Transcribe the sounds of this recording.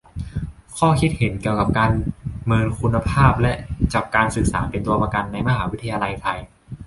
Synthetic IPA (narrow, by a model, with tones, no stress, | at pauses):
kʰɔː˥˩kʰi˦˥t̪̚he˩˦nki˨˩əwka˨˩p̚kaː˧nmɤː˧nkʰu˧nːa˧pʰaː˥˩p̚lɛ˦˥ʔt͡ɕaː˨˩p̚kaː˧nsɯ˨˩k̚sa̰ː˩˦pe˧nt̪u˧ɐpa˧ka˧nːa˧jma˧˥ɦaː˩˦wi˦˥t̪ʰːa˧jaː˧la˧jt̪ʰa˧j